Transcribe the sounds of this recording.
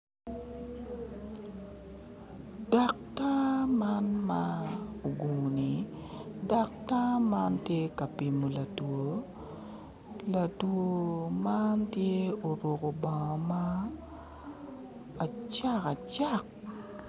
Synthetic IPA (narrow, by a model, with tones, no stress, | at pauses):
da˨k̚ta˦manmao˨ɡu˨ni˨da˨k̚ta˦ma˦ntje˦ka˨pi˨mo˨la˨two˨ | la˨two˨ma˦ntje˦o˨ɾwo˨ko˨ba˨ŋɔ˨ma˨ | t͡ʃa˦ka˨t͡ʃa˦k̚